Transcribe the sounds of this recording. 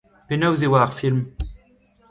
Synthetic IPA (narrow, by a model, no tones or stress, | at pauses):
penɔwziwaːʁfilm